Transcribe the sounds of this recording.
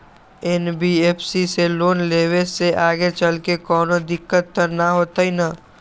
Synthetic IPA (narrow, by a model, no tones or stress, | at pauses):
ɛnbieːpʰsiseloːnleːweseʔaːɡet͡ʃəlkekɔːnod̪ɪkːət̪ːəɾnaɦoːt̪aina